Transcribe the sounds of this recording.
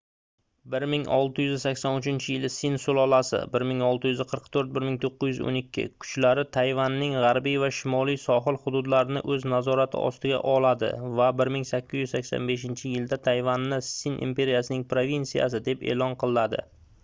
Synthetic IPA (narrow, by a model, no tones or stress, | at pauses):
bɪɾmɪŋɒ̰lˠt̪ʰɪjʏzsakʲsɒnʊt͡ʃɪnt͡ʃʰɪjɪlɪsɪnsʊlˠɒlasɪ̰bɪɾmɪŋɒlˠt̪ɪjʏzqʰəɾqt̪ʰɵɾt̪̚bɪɾmɪŋt̪ʰoqːɨzjʏzo̰nɪkʲʰːɪ̰kʰʊ̥t͡ʃlaɾɪt̪ʰajvanːɪŋʁɑɾbijvaʃɪmɒlˠijsɒɦɨlˠhʊd̪ʊd̪laɾɪnɪʔɵznazɒɾat̪ʰɪ̰ɒ̰st̪ɪɡʲa̰ʔɒlad̪ɪ̰vabɪɾmɪŋsakʲːɪzjʏzsakʲsɒ̰nbe̞ʃ̬ɪnt͡ʃʰɪjɪld̪at̪ʰajvanːɪsinʔḭmpe̞ɾijasɪnɪŋpʰɾovʲinsija̰s̬ɪd̪e̞pe̞̰ːlɒnqʰɨlˠɪnad̪ɪ̰